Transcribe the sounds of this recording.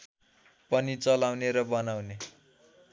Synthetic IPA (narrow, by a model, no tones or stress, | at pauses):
pʌnit͡sʌlawneɾʌbʌnawne